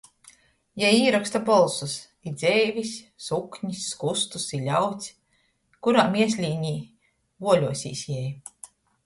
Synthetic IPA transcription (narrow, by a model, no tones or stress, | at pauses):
jɛjiːɾakst̪apɔlˠsus | id̪z̥ʲɛːvʲisːukɲisːkust̪usilʲawt̪sʲ | kuɾaːmiɛs̬ʲlʲiːɲiː | vuɔlʲuɔsʲḭːsʲjɛj